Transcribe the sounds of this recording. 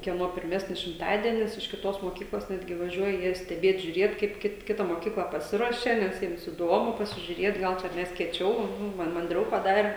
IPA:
kʲiɛˈnoː pʲɪrʲˈmʲæːsʲnʲɪs ʃʲɪmˈtɑːdʲiɛnʲɪs ɪʃ kʲɪˈtoːs moːˈkʲiːklˠoːs ˈnʲæːdʲɡʲɪ ʋɐˈʒʲuɔjɛ ˈjiɛ sʲtʲɛˈbʲeːt ʒʲʊˈrʲeːt kɐɪp ˈkʲɪt ˈkʲɪtɐ moːˈkʲiːklˠɑː pɐˈsʲɪruɔʃʲɛ ˈnʲɛs ˈjiɛms ɪˈdoːmʊ pɐsʲɪʒʲʊˈrʲeːt ˈɡɐlˠ t͡ʃʲɛ ˈmʲɛs kʲiɛˈt͡ʃʲɛʊ ˈmɐn mɐnʲˈdʲrʲɛʊ pɐˈdɑːrʲɛ

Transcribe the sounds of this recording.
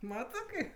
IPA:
ˈmɑːtɜ ˈkɐɪp

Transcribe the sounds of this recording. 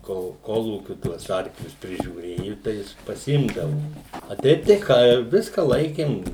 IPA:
koːlˠ ˈkoːlˠuːkʲʊ tuɔs ˈɐrklʲʊs pʲrʲɪʒʲuːˈrʲeːjʊ tɐɪ ˈjɪs pɐˈsʲɪmdɐʋoː ɐ ˈtʲɛɪp tɐɪ ˈkɑː ˈʋʲɪskɐ ˈlˠɐɪkʲeːm

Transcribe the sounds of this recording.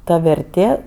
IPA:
ˈtɐ ʋʲɛrʲˈtʲeː

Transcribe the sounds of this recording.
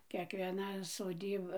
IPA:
kʲiɛkʋʲiɛˈnɐ soːˈdʲiːbɐ

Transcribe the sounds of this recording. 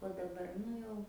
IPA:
oː dɐˈbɐr ˈnʊ jɛʊ

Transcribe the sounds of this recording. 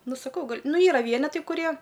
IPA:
ˈnʊ sɐˈkɐʊ ˈɡɐlʲ ˈnʊ ˈiːrɐ ˈʋʲiɛnʲɛtɐɪ kʊˈrʲiɛ

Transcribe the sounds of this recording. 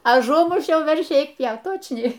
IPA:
ɐˈʒʊmʊʃʲɛʊ ʋʲɛrʲˈʃʲiː ˈɛɪk ˈpʲjɛʊt ˈtoːt͡ʃʲnʲɛɪ

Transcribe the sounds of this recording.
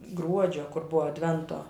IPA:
ˈɡruɔd͡ʒʲoː kʊr ˈbʊʋoː ɐdʲˈʋʲɛntoː

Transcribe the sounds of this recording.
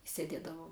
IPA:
ɪ sʲɛˈdʲeːdɐʋoːm

